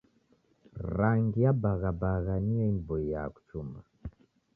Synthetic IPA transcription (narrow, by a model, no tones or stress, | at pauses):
ɾaŋɡijabaɣabaɣaniɛimvɔija̰ku̥t͡ʃuma